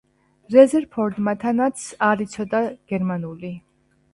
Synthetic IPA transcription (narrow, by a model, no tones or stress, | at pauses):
ɾɛzɛɾpʰɔɾd̪mat̪ʰanat̪sʰaɾit̪sʰɔd̪aɡ̥ɛɾmanuli